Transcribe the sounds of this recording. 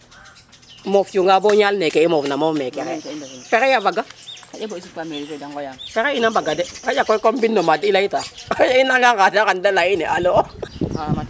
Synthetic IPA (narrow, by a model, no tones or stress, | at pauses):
mofjuŋɡaboɲalnekeimofnamofmekeɾefeɾejavaɡaaɗeboisukameɾifedaŋɡojafeɾeinabaɡadekajakokombinːomadiilaitajainaŋɡakatakandalaineʔalo